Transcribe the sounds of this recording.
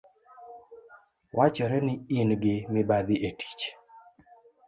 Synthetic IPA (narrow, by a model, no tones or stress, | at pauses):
wʔat͡ʃɔɾɛnɪinɡɪmɪbad̪iʔetʰi̥t͡ʃ